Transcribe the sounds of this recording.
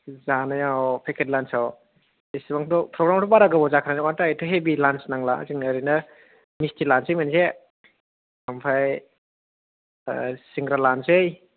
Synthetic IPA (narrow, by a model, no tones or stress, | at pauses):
zanajawpʰekʰetlansaw | esibaŋdɔpʰɾɔɡɾamɾɔbaɾaɡɯbɔzakʰaɾanŋantajtʰɯɦebilansnaŋla̰ziŋnaɾinɯ | mistʰilansejmanse | kʰampʰaj | siŋɡɾalansej